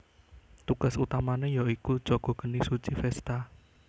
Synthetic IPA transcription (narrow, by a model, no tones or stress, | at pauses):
t̪uɡ̥a̤sut̪amanejaiku̥d͡ʒoɡ̥ɔ̤ɡ̥ənisut͡ʃifɛst̪a